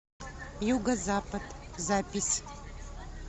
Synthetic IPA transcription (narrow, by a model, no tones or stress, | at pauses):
juɡɐzapɐd̪zapʲisʲ